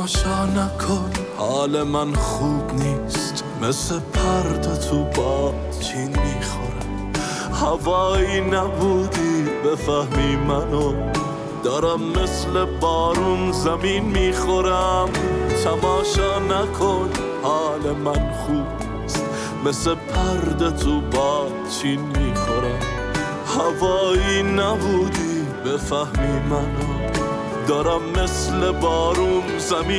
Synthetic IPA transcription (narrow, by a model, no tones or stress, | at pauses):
ʃɑːnækʰonhɑːlemænχuːbniːst̪ | meslepʰæɾd̪ot̪ʰubɒː | t͡ʃʰiːnmiːxoɾam | hævɑːjiːnæbuːd̪ibefæhmiːmæno | d̪̥ɒːɾæmːeslebɒːɾonzæmiːnmiːxoɾæmt̪ʰæmɑːʃɑːnækʰon | hɑːlemænχuːb | st̪ | mesepʰæɾd̪et̪ʰubɑːd̪̚t͡ʃʰiːnmiːxoɾæm | havɑːjiːnæbuːd̪i | befæhmiːmæno | d̪ɒːɾæmːeslebɑːɾum | zæmiː